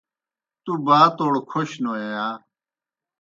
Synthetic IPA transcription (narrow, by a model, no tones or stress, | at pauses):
t̪ubaːt̪oːɽkʰoɕnoːejaː